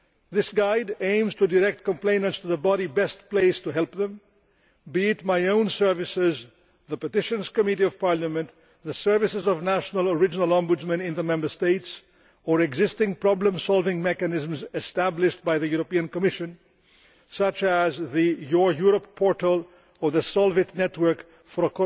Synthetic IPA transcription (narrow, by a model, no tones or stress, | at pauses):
ðɪsɡaɪdẽɪ̃mz̥tudəɾɛk̚t̚kə̃mplẽɪ̃nə̃nstuðəbɑɾibɛst̚pleɪstuɦɛlˠpðə̃m | bitmaɪõʊ̃nsɜ˞vɪsɪz | ðəpətɪʃɨ̃nz̥kəmɪɾiʌv̥pʰɑɹləmə̃n | ðəsɜ˞vɪsɨzəvnæʃnələɹɪd͡ʒənəlˠɔ̃mbud͡ʒmə̃nɪ̃nðəmɛ̃mbə˞steɪts | əɹɛɡzɪstɪ̃ŋpɹ̥ɑblə̃msɔlˠvɪ̃ŋmɛkɨnɪzm̩zɛstæblɪʃtbaɪðɨjuɾəpiɨ̃nkəmɪʃɨ̃n | sʌt͡ʃəzðɨjɔɹjuɹəpʰːɔɹtəlˠ | ə˞ðəsɔlˠvɨtnɛtwə˞k | fə˞ək